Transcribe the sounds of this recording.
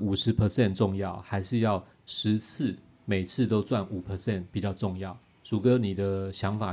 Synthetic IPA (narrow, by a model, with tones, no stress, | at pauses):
u˨˩ʂɻ̩˨˥pʰə˧sɛ˥˨nʈ͡ʂʊ˥˧ŋjɑ˥˨ʊxa˧˥ɪʂɻ̩˥˧jɑ˥˨ʊ | ʂɻ̩˧˥t͡s̩ʰ˥˩ | me˨˩ɪt͡sʰɹ̩˥˧t̪o˥ʊt͡swa˥˩nu˨˩pʰə˧˦sɛ˥˨npi˨˩t͡ɕjɑ˥˧ʊʈ͡ʂʊ˥˧ŋjɑ˥˨ʊ | t͡su˨˩kə˧˦ni˨˩d̪ə˦ɕjɑ˧˥ŋfa˨˩